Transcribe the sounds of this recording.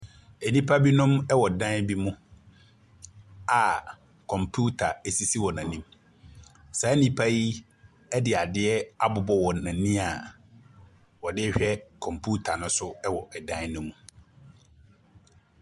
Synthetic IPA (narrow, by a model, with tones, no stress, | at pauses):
ɛ˨nĩ˦pʰa˦bi˦nʊ̃˦mɛ˦wɔ˨dã˦n˦bi˦mʊ̃˦ | a˨ | kʰɔ̃˨mpʰu˦tʰa˨ɛ˨si˦si˦wɔ˨nã˨nĩ˦m | sa˨˦ɛ˦nĩ˦pʰa˦ji˦ | ɛ˦dɪ˨a˨dɪ˦ɛ˦a˦bʊ˨bɔ˦wɔ˨nã˨nĩ˦a˨ | wɔ˨dɪ˦ɛ˦ɕᶣɛ˦kʰɔ̃˨mpʰu˦tʰa˨nʊ̃˦sʊ˦ɛ˦wɔ˨ʔɛ˨dã˦n˦nʊ̃˦mũ˨